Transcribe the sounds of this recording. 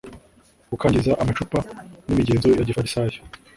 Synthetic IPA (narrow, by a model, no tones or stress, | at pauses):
ɡukʰaːɲɟizaʔamat͡ʃupanimiɟeːnzo̞jaɟifaɾisajo̥